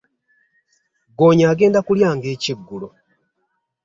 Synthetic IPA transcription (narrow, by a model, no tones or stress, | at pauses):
ɡoːɲaːɡe̞ːndakuljaːŋɡe̞ːciɡːulo